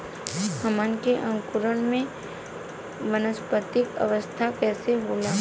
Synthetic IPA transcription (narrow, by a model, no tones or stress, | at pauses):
həmənkeʔɐ̃ŋkʊɾəɽ̃mẽ | mənəspət̪ɪkə̰ʋəst̪ʰakɛːseɦoːlaː